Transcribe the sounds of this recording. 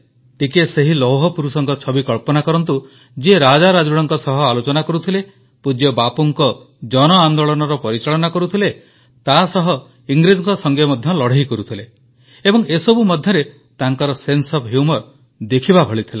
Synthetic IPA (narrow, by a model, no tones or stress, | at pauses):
ʈikeseɦilɔwɦɔpuɾusɔŋkɔt͡ʃʰɔbikɔɭpɔnakɔɾɔnt̪u | d͡ʒeɾad͡ʒaɾad͡ʒuɽɔŋkɔsɔɦɔalot͡ʃɔnakɔɾut̪ʰile | pud͡ʒjɔbapɔŋkɔ | d͡ʒɔnɔand̪oɭɔnɔɾɔpɔɾit͡ʃaɭɔnakɔɾut̪ʰile | t̪asɔɦɔ | iŋɡɾid͡ʒɔŋkɔsɔŋɡemɔd̪ʱjɔlɔɽ̤ejkɔɾut̪ʰile | ebɔŋesɔbumɔd̪ʱjɔɾe | t̪aŋkɔɾɔsensɔpɦjumɔɾ | d̪ekʰibabʱɔɭit̪ʰila